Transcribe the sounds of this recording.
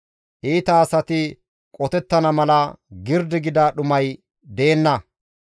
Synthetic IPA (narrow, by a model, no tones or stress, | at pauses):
ʔiːt̪ɐːsɐt̪ɪ | kʼɔt̪ɛt̪ːɐnɐmɐlɐɡɪɾd̪ɪɡɪd̪aːɗʊmɐj | d̪e̞ːnːɐ